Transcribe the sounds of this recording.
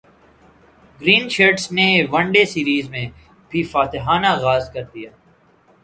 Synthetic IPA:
ɡɾiːnʃeːɾɖsneʋɐ̃ɳɖesiːɾiːzmẽ | bʱifaːt̪ɪɦaːnaɣaːzkɐɾd̪ijaː

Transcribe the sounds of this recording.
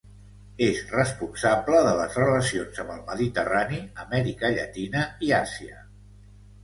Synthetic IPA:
ezrəspunsabləðələzrələsionzəmbəlˠməðit̪əraniəmɛɾikəʎə̰t̪inəiasiə̰

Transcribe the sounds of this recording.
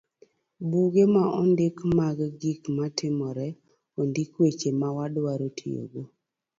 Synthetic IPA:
buɡemaɔndɪkmaɡɡikmatɪmɔɾɛ | ondɪkwet͡ʃemawadwaɾotʰio̰ɡo

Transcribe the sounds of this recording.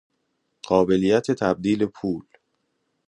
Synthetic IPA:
ɢ̥ɒːbe̞liːjæt̪ʰe̞t̪ʰæb̚d̪iːle̞pʰuːl

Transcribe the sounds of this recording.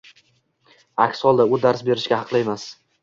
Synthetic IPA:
akʲshɒlˠd̪aʊd̪aɾsbe̞ɾɪʃkʲahɑqʰlˠɪjemas

